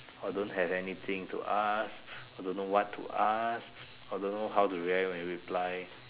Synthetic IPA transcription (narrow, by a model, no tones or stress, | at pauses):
ɔdõnɦɛvɛnit̪ʰĩŋtṵʔasɔdõnːowɔtʰːṵʔas | ɔdõnːoɦawtuɹialwɛ̃nɹipʰlaj